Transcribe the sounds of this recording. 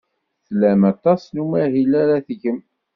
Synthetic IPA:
θlæmɑt̪ˤɑsnumæɦilaɾaθʝəm

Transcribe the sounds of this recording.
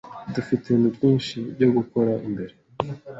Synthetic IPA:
dufitenubɟiːnʃibɟo̞ɡuko̞ɾaʔimbe̞ɾe

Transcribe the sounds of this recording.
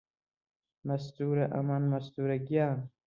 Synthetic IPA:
mɐst̪uːɾɐʔɐ̰manmɐst̪uːɾɐɡjaːn

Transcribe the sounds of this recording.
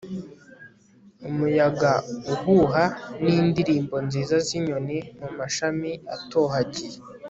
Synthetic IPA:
umujaɡauhuɦaniːndiɾiːmbo̞nziːzaziɲo̞nimumaʃamiatohaɟije

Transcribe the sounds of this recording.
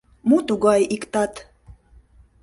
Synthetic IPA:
mut̪uɣɑjikt̪ɑt̪

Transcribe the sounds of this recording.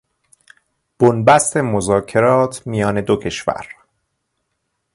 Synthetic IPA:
b̥onbæst̪e̞mozɒːcʰe̞ɾɒːt̪ʰmijɒːne̞d̪ocʰe̞ʃvæ̰ɾ

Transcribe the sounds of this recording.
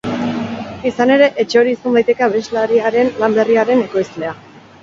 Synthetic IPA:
isane̞ɾe̞ʔet͡ʃe̞o̞ɾiːsond̪ajt̪e̞keaβezlaɾiaɾe̞nlambe̞riaɾe̞ne̞ko̞jzle̞a

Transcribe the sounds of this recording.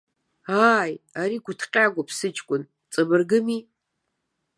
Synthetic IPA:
ajaɾiɡʷʊtʰqʲʼaɡʷapʰsɨt͡ʃʰʼkʷʼʊn | t͡sʼɨbɨrɡɨmi

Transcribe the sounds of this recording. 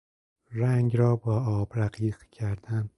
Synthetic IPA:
ɾaŋʲɾɒːbɒɒbɾaqiqkʲʰaɾd̪am

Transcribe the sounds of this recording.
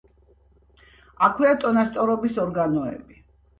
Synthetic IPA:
akʰwiat̪ʼɔnast̪sʼɔɾɔbisɔɾɡanɔɛ̰bi

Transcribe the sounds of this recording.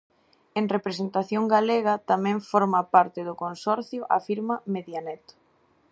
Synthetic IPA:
eŋrepɾesent̪aθjoŋɡaleɣɐt̪amɛ̃ɱfɔɾmapaɾt̪ɪðʊkonsɔɾθjʊʔa̰fiɾmɐmeðjanɛt̪ʊ̥

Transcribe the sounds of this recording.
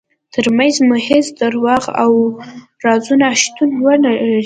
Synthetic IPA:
t̪ʰəɾmanzmʊhɪzd̪aɾwɑɣa̰w | ɾɑzunaʃt̪unwənai

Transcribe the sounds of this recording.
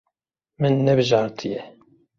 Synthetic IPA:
mɨnːɛbɨʒɑːɾt̪ʰɨjɛ

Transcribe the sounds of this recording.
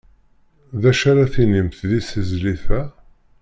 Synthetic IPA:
ðæʃaɾaθinimθðisəzliθæ

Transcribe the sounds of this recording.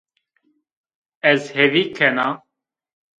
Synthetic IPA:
ɛzhɛvikʰɛna

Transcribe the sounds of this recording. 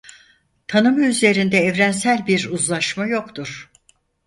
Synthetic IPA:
t̪ʰanɯmɯyze̞ɾind̪ɛːvɾænsælʲbiɾuzlˠaʃmajo̞kt̪uɾ̥

